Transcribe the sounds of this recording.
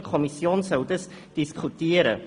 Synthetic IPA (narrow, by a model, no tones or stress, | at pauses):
kʰɔmisiɔːnsɦəwdəs | d̥iskutiəɾə̰